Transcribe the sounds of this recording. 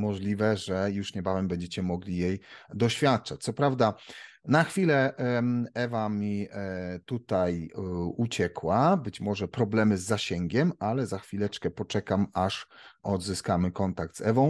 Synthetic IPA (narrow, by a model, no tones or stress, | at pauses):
mɔʐlʲivɛʐɛjuʂɲɛbavɛmbɛɲd͡ʑet͡ɕɛmɔɡlʲijejd̪ɔɕfʲjat̪̚t͡ʂat͡ɕ̚t̪sɔpɾavd̪a | naxfʲilɛ | ɛvamʲit̪ut̪ajut͡ɕɛkwabɘt͡ɕmɔʐɛpɾɔblɛmɘzːaɕɛŋɡʲɛmalɛzaxfʲilɛt͡ʂkɛpɔt͡ʂɛkamaʂɔd̪zɘskamɘkɔnt̪ak̚t̪zɛvɔ̃w̃